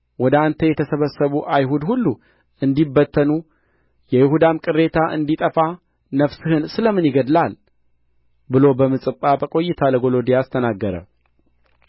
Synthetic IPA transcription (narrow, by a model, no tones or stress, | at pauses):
wɔd̪əant̪ʰəjɛt̪ʰəsəβəsːəβuʔajɦud̪hulːu | ɨnd̪ibːət̪ʰːənu | jɛjɪhud̪amkʼɨɾe̞t̪ʰaʔɨ̰nd̪it̪ʼəfa | nəfsɨhɨnsɨləmːɨnjɪɡəd̪lal | bɨlo̞bəmɨsʼɨpʼːabəkʼo̞jːɪt̪ʰaləɡo̞lo̞d̪ijast̪ʰənaɡːəɾə̰